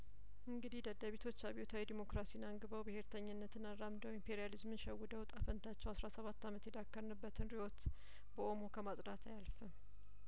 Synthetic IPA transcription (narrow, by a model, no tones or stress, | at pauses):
ʔɨŋɡɨd̪ihd̪əd̪aβet̪ʰo̞t͡ʃːaβiot̪ʰawid̪imo̞kɾasijnaŋɡɨβəwbɨhe̞ɾt̪ʰəɲːɨnːət̪ʰɨnanɾamd̪əwimpʰeɾijalizmɨnʃɛwːɨd̪əwt̪ʼafənt̪ʰat͡ʃːɛwasɾasəβat̪ːamət̪jɛd̪akːəɾnɨbːət̪ʰɨnɾiot̪ | bəʔo̞mo̞kʰəmat̪ʼd̪at̪ʰajalfə